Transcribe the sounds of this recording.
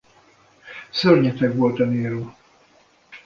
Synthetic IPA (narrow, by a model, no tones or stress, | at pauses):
sørɲɛt̪ɛkʋo̞lt̪ɛneːɾoː